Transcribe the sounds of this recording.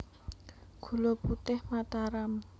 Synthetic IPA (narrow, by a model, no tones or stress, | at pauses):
ɡ̥ṳloput̪ɪhmat̪aɾam